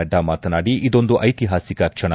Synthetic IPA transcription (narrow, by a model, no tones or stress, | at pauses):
ɐɖːɐmaːt̪ɐnaːɽiʔid̪o̞nd̪uʔɐjt̪iɦaːsikɐkʂɐɳɐ